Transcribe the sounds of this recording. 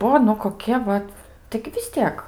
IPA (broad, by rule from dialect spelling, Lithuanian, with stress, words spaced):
ˈbuɔ nʊ koːˈkʲiɛ ˈʋɐt tɐɪɡʲɪ ʋʲɪs ˈtʲiɛk